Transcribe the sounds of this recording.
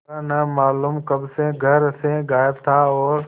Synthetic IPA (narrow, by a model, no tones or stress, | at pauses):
nəmaːlumkəbseɡʱəɾsẽɡaːjɪbt̪ʰaːɔːɾ